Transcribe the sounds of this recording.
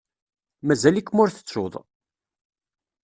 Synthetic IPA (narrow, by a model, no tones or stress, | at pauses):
mæzælikːmʊɾθə̥t͡sːʊ̰ðˤ